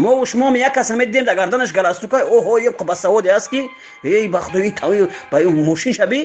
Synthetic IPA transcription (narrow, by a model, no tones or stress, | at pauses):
mɔuʃmɔmijakʰːasamed̪id̪emd̪aɡaɾd̪anəʃ̬ɡalast̪ukajɔɦɔjebqʰəbasawɔd̪easki | ebaχud̪ɔit̪ʰawibamɔʃinʃabi